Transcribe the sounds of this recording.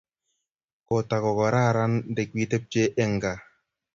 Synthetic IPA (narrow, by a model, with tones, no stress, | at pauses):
ko˨ta˨kɔ˨kɔ˨ɾa˦˨ɾa˦nde˨kwi˦te˦p̚t͡ʃe˦ʔɛ˦ŋɡa˨